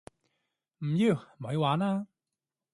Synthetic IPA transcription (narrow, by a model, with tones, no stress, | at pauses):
m̩˨˩ji˧˩wmɔ˨˥jwaː˨˥naː˧